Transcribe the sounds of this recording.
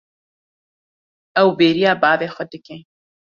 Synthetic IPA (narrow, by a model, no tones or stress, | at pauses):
ɐwbeːɾijaːbaːvexəd̪ɨkẽ